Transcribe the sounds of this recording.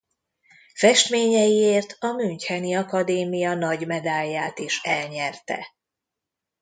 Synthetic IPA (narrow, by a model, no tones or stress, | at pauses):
fɛʃt̪meːɲɛjieːrt̪ʰɒmyɲchɛniɒkɒd̪eːmijɒnɒɟmɛd̪aːjːaːt̪iʃɛlɲɛrt̪ɛ̰